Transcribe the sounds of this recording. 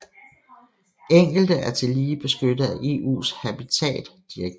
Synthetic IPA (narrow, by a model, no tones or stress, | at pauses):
eŋ̰ɡ̥l̩d̥əʔæɐt͡sʰe̝liːb̥e̝sɡ̥ød̥əð̩ˠæʔe̝ʔṵːshæb̥it͡sʰɛ̰ːd̥ːiɐɡ̥